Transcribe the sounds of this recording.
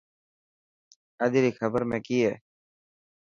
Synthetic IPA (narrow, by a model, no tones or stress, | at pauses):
əd̪iːɾiːxʰəbəɾmẽːkiːɦeː